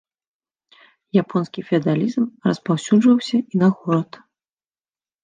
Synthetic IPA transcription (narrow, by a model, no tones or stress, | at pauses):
japʰɔnskʲifʲiɐd̪alʲizmrɐspawsʲuʐvɐwsʲɐʔinɐɣɔɾɐt̪